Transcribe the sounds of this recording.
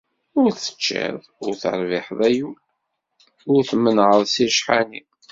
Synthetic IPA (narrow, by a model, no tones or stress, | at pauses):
ʊɾθə̥t͡ʃːɪ̰ðˤʊɾθə̰ɾˤvɪħðˤæju | ʊɾθmːənʕəðˤsiʃħani